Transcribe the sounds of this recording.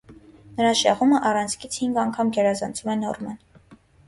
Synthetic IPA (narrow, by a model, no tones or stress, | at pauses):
nəɾɑʃɑ̰ʁuməʔɑrɑnt͡sʰkʰit͡sʰhiŋɡɑŋkʰɑmɡɛɾɑzɑnt͡sʰumɛnɔ̰rmɑn